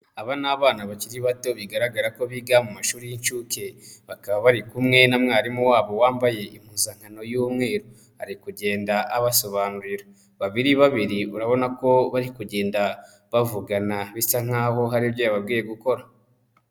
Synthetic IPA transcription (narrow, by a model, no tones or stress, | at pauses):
aβanaːβaːnaβaciɾiβato̞βiɡaɾaɡaɾako̞βiɡamumaʃuːɾijint͡ʃuːke̞βakaβaβaɾikumŋe̞namŋaːɾimuwaːβo̞waːmbaje̞ʔim̥huːnzaŋ̥hano̞juːmŋe̞ːɾo | ha̰ɾikuɟe̞ːndaʔaβaso̞βaːnuɾiɾa | βaβiɾiβaβiɾiuɾaβo̞nako̞βaɾikuɟe̞ːnda | βavuɡanaβisaŋ̥aːho̞ɦaɾiβjejaβabɡiːje̞ɡuko̞ɾa